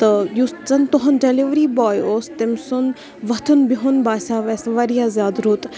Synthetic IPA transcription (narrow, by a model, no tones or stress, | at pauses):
t̪ɨjuszɐnt̪oɦɐnd͡ʒeliʋɾiːbaːjoːst̪emsun | ʋɐt̪ʰunbiɦʊnbaːsʲaːʋɐsʋɐɾijaːzjaːd̪ɾuːt̪